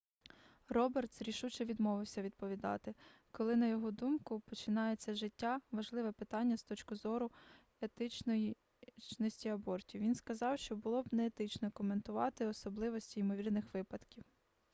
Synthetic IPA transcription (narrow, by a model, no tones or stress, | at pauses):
rɔbert̪sɾʲiʃut͡ʃɛʋʲid̪mɔʋɪwsʲɐʋʲid̪̚pɔʋʲid̪ɑ̰t̪ɪ | kɔlˠɪnɐjɔɦɔd̪umkʊpɔt͡ʃɪnɑjet͡sʲːɐʒɪtʲːaʋɐʒlˠɪʋɛpɪt̪ɑnʲːɐst̪ɔt͡ʃkʊzɔɾʊ | et̪ɪt͡ʃnɔji | t͡ʃnɔsʲtʲiɐbɔrtʲiwʋʲinskɐzɑwʃt͡ʃɔbʊlˠɔbnɛːt̪ɪt͡ʃnɔkɔment̪ʊʋɑ̰t̪ɪɔsɔblˠɪʋɔsʲtʲiːmɔʋʲirnɪxʋɪpɐd̪kʲiw